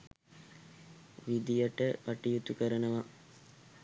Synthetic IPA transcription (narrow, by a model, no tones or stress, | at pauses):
ʋid̪ijɐʈəpɐʈijut̪ukəɾənəʋa